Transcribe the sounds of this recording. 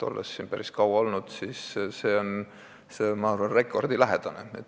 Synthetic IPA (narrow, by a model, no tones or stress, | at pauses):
t̪o̞̰lːḛsːinpæɾiskɑwɑo̞lnud̪̥siːsse̞ːon | semɑɑrvɑnre̞kːˑo̞rd̪̥ilæɦed̪̥ɑneet̪